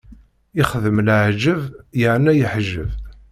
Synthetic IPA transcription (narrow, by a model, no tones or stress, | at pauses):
ɪχðəmlʕʒəvjəʕnæjəħʒːə̰v